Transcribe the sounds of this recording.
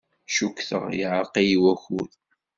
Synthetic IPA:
ʃukθə̰ʁjiʕəɾˤqijiwæxuð

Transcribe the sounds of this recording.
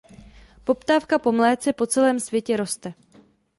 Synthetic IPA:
po̞pt̪aːfkapo̞mlɛːt͡sɛpo̞t͡sɛlɛːmsvjɛcɛɾo̞st̪ɛ

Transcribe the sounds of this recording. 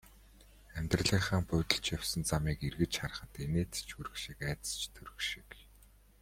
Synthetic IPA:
æmʲt̪rə̆ɮiːχaːŋpʊt̪ə̆ɬt͡ɕjaw̥sə̆nt͡samiːkirɣɘ̆t͡ɕχarə̆χə̆t̪eneːt͡st͡ɕuɾɵ̆kʃĭkæːt̪ə̥̆st͡ɕt̪ʰɵɾɵ̆kʃĭ̥k

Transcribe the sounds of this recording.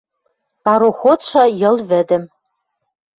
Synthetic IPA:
pɑɾoxot̪ʃɑjɤ̆lˠβɘ̆d̪ɘ̆m

